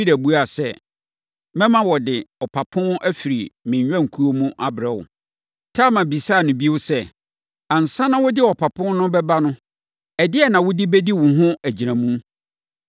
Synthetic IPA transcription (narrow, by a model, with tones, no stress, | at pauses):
i˦dæ˨bu˦a˨sɛ˦ | mɛ̃˦mã˦wɔ˨dɪ˨ɔ˨pʰa˨pʰʊ̃˦nʔæ˦fi˨ɾi˨mɪ̃˨ɲᶣ˨ã˦˨ŋ̩˨kʰu˦o˦mũ˦ʔa˦bɾɛ˨wʊ̰˨ | tʰa˦˨mã˨bi˨saː˦˨nʊ̃˨bi˦wʊ˦sɛ˦˨ | ã˨n̩˨sã˦nã˦wʊ˦dɪ˦ɔ˨pʰa˨pʰʊ̃˦n˦nʊ̃˦bɛ˦ba˦nʊ̃˦ | ɛ˨dɪ˦ɛ˨nã˨wʊ˦di˦bɛ˦di˦wʊ̃˨ɦʊ̃˦æ˨d͡ʑi˨ɾã˨mũ˦